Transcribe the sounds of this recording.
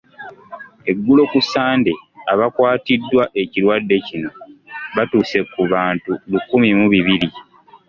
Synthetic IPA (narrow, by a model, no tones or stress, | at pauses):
e̞ɡːulo̞kusaːnde̞aβakwaːtidːwaʔeciɾwadːe̞cino̞βatuːse̞kːuβaːntulukːumimuβiβiɾi